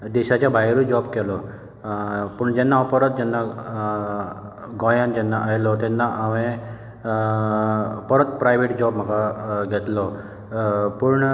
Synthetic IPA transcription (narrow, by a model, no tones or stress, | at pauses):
d̪eɕat͡ɕabʱajɾud͡ʒɔbkɛlɔ | puɳd͡ʑɛnːaɔpɔɾət̪̚d͡ʑɛnːa | ɡɔjand͡ʑɛnːaʔajlɔt̪ɛnːaʔaʋẽ | pɔɾət̪pɾajʋʱeʈd͡ʑɔbməɡaɡʱɛt̪lɔ | puɾɳ